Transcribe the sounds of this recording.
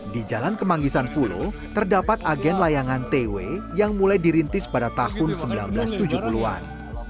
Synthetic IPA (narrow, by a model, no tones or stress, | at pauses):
did͡ʒalankəmaŋɡisanpulṵ | t̪ərdapat̪aɡɛnlajaŋant̪ewejaŋmulajdiɾint̪ɪspadat̪ahʊnsəmbilanbəlast̪ud͡ʒuhpulua̰n